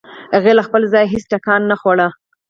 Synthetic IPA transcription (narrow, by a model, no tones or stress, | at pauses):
haɣelaxpəlzɑjɦesʈakɑnːaxwaɽa